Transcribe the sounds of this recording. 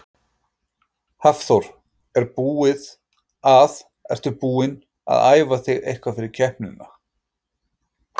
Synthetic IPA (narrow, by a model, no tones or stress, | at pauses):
hafθowɾ̥ | ɛɾpuːɪð | að | ɛ̰r̥t̪ʏpuːɪn | a̰ða̰ːjvaθɪɣḛjhkvafɪɾɪɾ̥cʰɛhpnʏna